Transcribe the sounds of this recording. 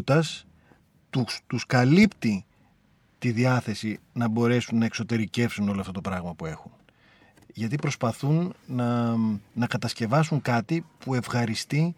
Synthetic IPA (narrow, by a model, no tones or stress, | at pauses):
t̪ɐs | t̪ut̪uskɐlipt̪i | t̪iðiɐθe̞sinɐbo̞ɾe̞sunːɐekso̞t̪e̞ɾice̞fsuno̞loɐft̪ot̪o̞pɾɐɣmɐpue̞xun | ʝɐt̪̬ipɾo̞spɐθunnɐː | ɐkɐt̪ɐsce̞vɐsuŋkɐt̪ipue̞vɣɐɾist̪i